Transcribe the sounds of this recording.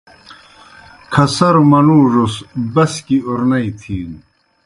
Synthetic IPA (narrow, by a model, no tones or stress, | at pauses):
kʰɐsɐɾmɐnuːʐusbɐskiuɾnɐit̪ʰiːn